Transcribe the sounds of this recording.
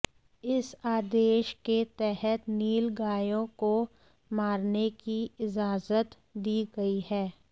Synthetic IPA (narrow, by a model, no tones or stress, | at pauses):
ɪsaːd̪eːʃket̪ɛɦət̪niːlɡaːjõko | maːɾnekiɪd͡ʒaːzət̪ | d̪iːɡɐihɛː